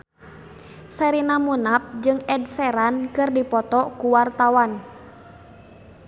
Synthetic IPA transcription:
sɛɾinamunap̚d͡ʒɨŋɛdsɛɾankɨrdipɔt̪ɔkuwart̪awan

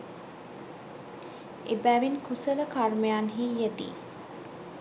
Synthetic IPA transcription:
ebæʋinkusələkarmejanɦijət̪ḭː

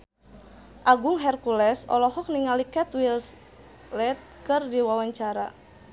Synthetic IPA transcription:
ʔaɡuŋɦɛrkulɛsɔ̰lɔɦɔk̚niŋalikɛt̪wils | lɛt̪̚kɨrdiwawaɲt͡ʃaɾa̰

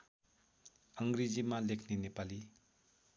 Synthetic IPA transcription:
əŋɡɾizimalekʰninepali

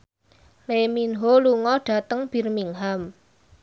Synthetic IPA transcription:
leminɦoluŋɔɖ̥ä̤t̪əŋb̥i̤rmiŋɦam

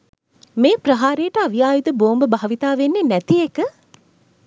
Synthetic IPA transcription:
meːprɐɦaːɾejːʈəaʋijaːjid̪əboːmbəbaɦɐʋit̪aːʋenːenæt̪iekə

